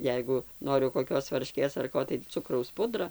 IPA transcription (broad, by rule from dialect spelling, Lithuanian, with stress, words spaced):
ˈjɛɪɡʊ ˈnoːrʲʊ koːˈkʲoːs ʋɐrʲˈʃʲkʲeːs ɐr ˈkoː tɐɪ ˈt͡sʊkrɐʊs ˈpʊdrɐ